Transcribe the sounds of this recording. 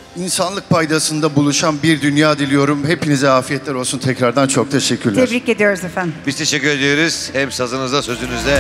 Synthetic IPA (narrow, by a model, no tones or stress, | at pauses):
insanlˠɯk̚pʰajd̪asɯnd̪abulˠuʃanbiɾd̪ynjaːd̪ilʲijo̞ɾumhe̞pinizɛaːfijɛt̪ʰlʲæɾo̞lˠsunt̪ʰɛcɾaɾd̪ant͡ʃʰo̞k̚t̪ʰeʃɛcʰːyɾlʲeɛɾbɾice̞d̪ijo̞ɾuzefænbizt̪ʰe̞ʃɛcːyɾe̞d̪ejo̞ɾuz̥hɛmsazɯnɯzd̪asøzynyzɛ